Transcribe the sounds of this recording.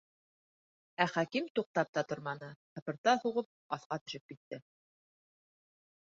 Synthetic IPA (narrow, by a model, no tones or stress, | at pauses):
æχækimt̪uq̚t̪ɑp̚t̪ɑt̪ŏɾmɑnɤtɤ̆pɤ̆ɾt̪ɑhuʁɤp̚ɑθqɑt̪ɵ̆ʃɘp̚kit̪ːɘ